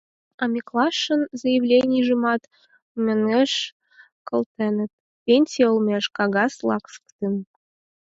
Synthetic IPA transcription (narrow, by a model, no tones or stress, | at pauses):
ɑmʲeklˠɑʃːə̆nzəjevlʲenʲijʒɨmɑt̪ | mʲeŋeʃ | kɤ̆lˠt̪enə̆t̪̚ | pʲenʲsʲijəlˠmʲeʃkɑɣɑslˠɑ̰ksə̥kt̪ən